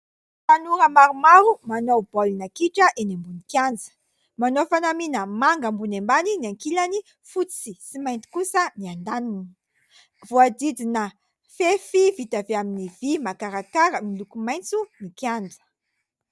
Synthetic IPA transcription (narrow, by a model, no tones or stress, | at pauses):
t̪anuɾəmaɾumaɾumanob̥olinakiʈ͡ʂəʔenimbunikʲand͡zə̥ | manofanaminəmaŋɡəmbunembaniniaŋkilani | fut͡sisimajnt̪i̥kusəniand̪anini | vuad̪id̪inə | fefivit̪aveaminivimakaɾakaɾəmilukumajnt͡sumikjand͡zə̥